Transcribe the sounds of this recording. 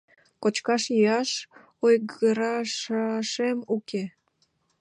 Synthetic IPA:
kot͡ɕkɑʃjijɑʃ | ojɡəɾɑʃɑʃemuke

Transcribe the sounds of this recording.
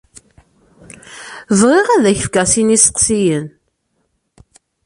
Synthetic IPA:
vʁiʁæðæç̥fkæsinisə̥qsijən

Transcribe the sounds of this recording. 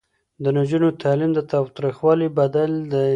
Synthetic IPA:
d̪ənad͡ʒunot̪ʰɑlimd̪ət̪ɑwt̪ɾixwɑlibad̪ald̪ə

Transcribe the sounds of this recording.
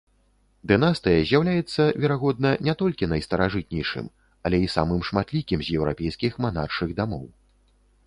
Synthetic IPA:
d̪ɨnast̪ɨjɐzʲjawlʲajɛt̪sːɐvʲɛɾaɣɔd̪̚nɐnʲɛt̪ɔlʲkʲinɐjst̪ɐɾaʐɨt̪̚nʲɛjʂɨ̰m | ɐlʲɛisa̰mɨmʂmat̪lʲikʲimzʲjɛwɾa̰pʲɛjskʲixmanarʂɨɣd̪amɔ̰w

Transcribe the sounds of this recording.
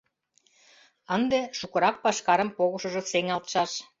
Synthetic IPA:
ənd̪eʃukɤ̆ɾɑk̚pɑʃkɑɾə̆mpoɣəʃə̆ʒŏseŋɑlt̪ʃɑʃ

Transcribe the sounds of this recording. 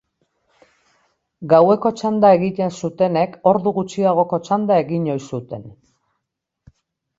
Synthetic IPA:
ɡawe̞ko̞t͡ʃand̪ae̞ɣit̪e̞nsut̪e̞ne̞kʰo̞ɾðuɣut͡ʃiðaɣ̞o̞ko̞t͡ʃand̪ae̞ɣiɲo̞jsut̪e̞n

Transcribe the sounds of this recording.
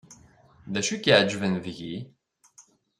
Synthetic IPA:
ðæʃukiʕd͡ʒvənðʝi

